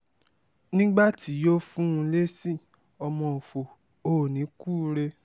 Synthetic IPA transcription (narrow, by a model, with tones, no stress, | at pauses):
nĩ˦ɡ͡ba˦˨ti˨˦jo˦fũ˦ũ˧le˦si˦˨ | ɔ˧mɔ̃˧o˨fo˨ | o˨nĩ˨˦kuː˦ɾe˧